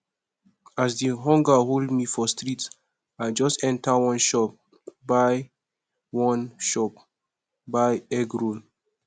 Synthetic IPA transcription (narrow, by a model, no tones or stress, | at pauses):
asdiɦɔ̃ŋɡaɦoldmifɔstɹit | aɪd͡ʒɔstɛ̃ntʰawɔ̃nʃɔp̚ | baɪ | wɔ̃nʃɔp̚ | baɪɛɡɹõn